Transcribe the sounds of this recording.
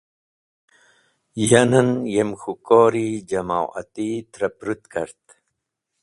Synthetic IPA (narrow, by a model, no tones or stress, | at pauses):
janɐnjemxukoːɾid͡ʒɐmawɐ̰t̪it̪ɾɐpɾut̪kɐ̰ɾt̪